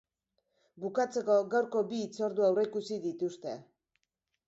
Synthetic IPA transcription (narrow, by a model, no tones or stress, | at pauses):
bukat͡se̞ko̞ɣawɾko̞biːt͡so̞ɾðuawre̞kusiðit̪ust̪e̞̰